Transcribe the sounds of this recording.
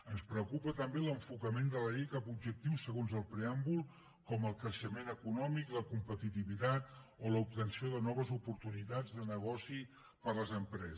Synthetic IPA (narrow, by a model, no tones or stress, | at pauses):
ənspɾəukupət̪əmbeləɱfukəmend̪ələʎejkapubʒək̚t̪iwsəɣonzəlˠpɾeambulˠ | kɔməlˠkɾəʃəmenəkunɔmikləkumpət̪it̪iβit̪at̪oləup̚t̪ənsioðənɔβ̞əzupuɾt̪unit̪ad͡zðənəɣ̞ɔsi | pəɾləzəmpɾɛz